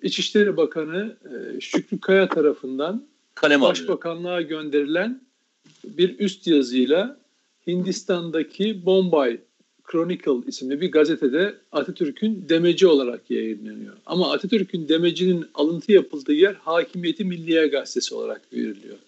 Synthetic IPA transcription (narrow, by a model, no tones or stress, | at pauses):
it͡ʃʰiʃlʲeɾibakʰanɯʃycʰlʲykʰajat̪ʰaɾafɯnd̪an | kʰalɛbaʃbakʰanlˠaaɟø̞nd̪e̞ɾilʲæn | biɾyst̪jazɯjlˠa | hind̪ist̪ʰand̪acʰibo̞mbaj | kʰɾo̞nikʰalˠismlʲibiɾɡazet̪ʰed̪ɛat̪ʰat̪ʰyɾcʰynd̪e̞me̞d͡ʒio̞lˠaɾakjajɯnlʲenḭjo̰a̰maːt̪ʰat̪ʰyɾcʰynd̪e̞me̞d͡ʒininalˠɯnt̪ʰɯjapʰɯlˠd̪ɯːjæɾhaːcʰimijet̪ʰimilʲːijɛɡast̪ʰe̞sio̞lˠa̰ɾa̰kve̞̰ɾilʲḭjo̞̰